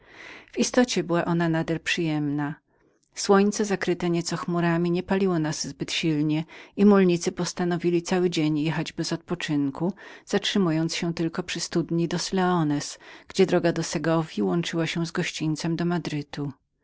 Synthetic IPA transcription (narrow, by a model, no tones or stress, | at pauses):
vist̪ɔt͡ɕɛbɘwaʔɔnanad̪ɛlpʂɘjɛmna | swɔɲt̪sɛzakɾɘt̪ɛɲɛt̪sɔxmuɾamʲiɲɛpalʲiwɔnaz̥zbɘt̪ɕilɲɛimulɲit̪sɘpɔst̪anɔvʲilʲit̪sawɘd͡ʑeɲjɛxad͡ʑbɛzɔt̪̚pɔt͡ʂɘŋkuz̥atʂɘmujɔnt̪sɕɛt̪ɘlkɔpʂɘst̪ud̪ɲid̪ɔslɛɔnɛsɡ̥d͡ʑɛd̪ɾɔɡad̪ɔsɛɡɔvʲjiwɔnt͡ʂɘwaɕɛ̃zɡɔɕt͡ɕint̪sɛmd̪ɔmad̪ɾɘt̪ʰu